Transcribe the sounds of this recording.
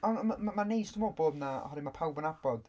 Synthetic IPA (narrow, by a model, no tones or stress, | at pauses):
ɔnmamanejstɔmoːdboːdnaɔ̰hɔɾimapʰawbɔnabɔd̥